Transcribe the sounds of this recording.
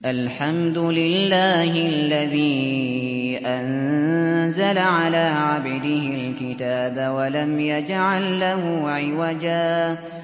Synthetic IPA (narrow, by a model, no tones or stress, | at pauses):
ʔalħamd̪ʊlɪlːaːhɪalːaðiː | ʔan | zalaʕalaːʕabd̪ɪhɪlkɪt̪aːbawalamjad͡ʒʕalːahʊʕɪwad͡ʒaː